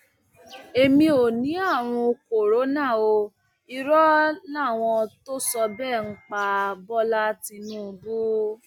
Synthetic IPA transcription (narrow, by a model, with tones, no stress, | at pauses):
e˧mĩ˧o˨nĩ˨˦a˦˨w̃ɔ̃˧o˧ko˨ɾo˨˦nã˦˨o˧ | i˧ɾɔ˦nã˦˨w̃ɔ̃˧to˦sɔ˧bɛ˦˨ŋ̩˦k͡pa˧bɔ˦la˦ti˧nũː˦˧bu˦